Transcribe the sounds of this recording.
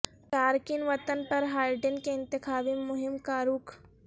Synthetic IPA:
ʈaːɾkɪnʋɐt̪ənpɐɾɦaːɪɖənkeɪ̃nt̪ɪxaːʋimʊɦɪmkaːɾuːkʰ

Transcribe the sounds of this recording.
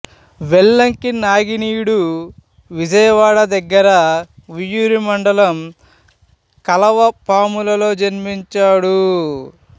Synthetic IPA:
ʋeɭːɐŋkinaːɡiniːɽu | ʋid͡ʒɐjɐʋaːɽɐd̪ɐɡːɐɾɐʋijuɾimɐɳɖɐlɐm | kɐlɐʋɐpaːmulɐlo̞ːd͡ʒɐnmiɲt͡ʃaːɽu

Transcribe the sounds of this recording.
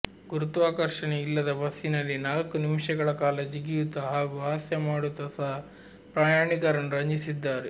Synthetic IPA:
ɡuɾut̪uʋaːkɐɾʂɐneilːɐd̪ɐbɐsinɐlːinaːlkunimʂɐɡɐɭɐkaːlɐd͡ʒiɡijut̪ːɐɦaːɡuaːsjɐmaːɽut̪ɐsa | pɾaːjaːɳikɐɾɐnuɾɐɲd͡ʒisid̪ːaːɾe

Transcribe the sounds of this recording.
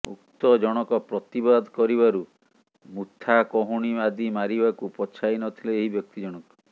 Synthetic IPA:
ṵk̚t̪ɔd͡ʒɔɽ̃ɔkɔpɾɔt̪ibad̪kɔɾiβaɾu | mut̪ʰakɔɦuɽ̃iad̪imaɾibakupɔt͡ʃʰajnɔt̪ʰileeɦibjɔk̚t̪id͡ʒɔɽ̃ɔkɔ̥

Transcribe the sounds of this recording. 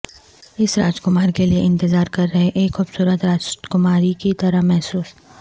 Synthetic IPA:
ɪsɾaːd͡ʒkʊmaːɾkelieɪ̃nt̪ɪzaːɾkɐɾːɐɦeʔeːkxʊbsuːɾət̪ɾaːd͡ʒkʊmaːɾikit̪ɐɾəɦmɛɦsuːs

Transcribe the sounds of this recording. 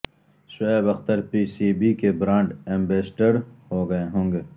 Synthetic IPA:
ʃʊebɐxt̪ɐɾpiːsiːbikebɾãːɳɖẽmbeːsʈəɾhoːɡɐeɦõːŋɡeː

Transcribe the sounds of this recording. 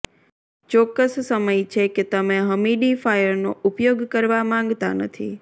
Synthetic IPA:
t͡ʃɔkːəssəməjt͡ʃʰeket̪əmẽɦəmiɖifajəɾnoupjoɡkəɾʋamãŋɡt̪a̰nə̰t̪ʰḭ

